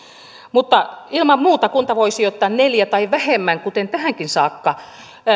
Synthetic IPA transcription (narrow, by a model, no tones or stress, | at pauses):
mut̪ːɑilmɑmmuːt̪ɑkunt̪ɑʋoisijot̪ːɑːnneljæt̪ɑiʋæhemːæŋkut̪ent̪æhæŋkinsɑːkːɑ